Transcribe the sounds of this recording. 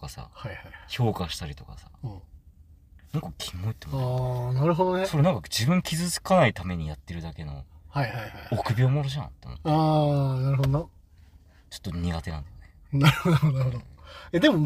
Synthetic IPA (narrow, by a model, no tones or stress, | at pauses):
t̪kasa̰haihaiço̞ːkaɕi̥t̪aɾʲit̪o̞kasḁ̰ɯ̃ | nãŋkakʲʰimːoit̪ːemoanaɾɯ̟ɦod̪oneso̞ɾe̞nãŋkad͡ʑibɯ̟̃ŋkʲizɨzɨ̥kanait̪ame̞ɲ̟ijat̪ːe̞ɾɯ̟d̪ake̞no̞̰haihajajokɯ̟bʲioːmoɾoʑã̰t̪ːo̰mo̰aːnaɾɯ̟ɦod̪on | t͡ɕo̥t̪ːoɲ̟iɡat̪e̞nã̰nd̪ajonenaɾɯhood̪oed̪e̞mo